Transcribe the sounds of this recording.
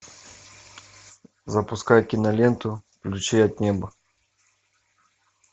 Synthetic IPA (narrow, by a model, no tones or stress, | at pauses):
zɐpuskajkʲinɐlʲɛnt̪ʊklʲut͡ʃɛjɐd̪̚nʲɛbɐ